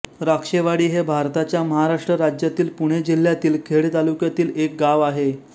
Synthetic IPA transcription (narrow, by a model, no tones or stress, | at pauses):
ɾakʂeʋaɽiːɦebʱaɾt̪at͡ɕjaməɦaɾaʂʈɾəɾad͡ʑjat̪iːlpuɽ̃ed͡ʑil̤ːjat̪iːlkʰeɭet̪alukjat̪iːlek̚ɡaʋaɦe